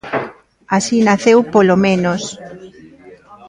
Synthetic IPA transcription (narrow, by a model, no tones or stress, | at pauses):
asinaθewpolomẽnos